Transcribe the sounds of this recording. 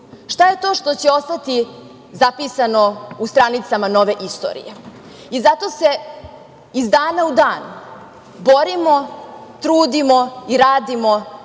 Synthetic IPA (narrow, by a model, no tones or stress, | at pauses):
ʃt̪aje̞t̪o̞ːʃt̪o̞t͡ɕeo̞st̪at̪i | zapisano̞ust̪ɾanit̪samano̞ʋe̞ʔist̪o̰ɾḭje | izat̪o̞se̞ | izd̪aːnaud̪aːn | bo̞ɾimot̪ɾuːd̪imoiɾaːd̪imo